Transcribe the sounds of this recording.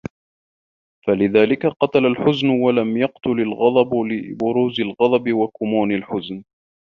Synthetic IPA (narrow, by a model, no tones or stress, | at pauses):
falɪðaːlɪkaqɑt̪alalħʊznʊwalamjɑqt̪ʊlalɣɑd̪ˤɑblɪbʊɾuːzalɣɑd̪ˤɑbɪwakʊmuːnalħʊzn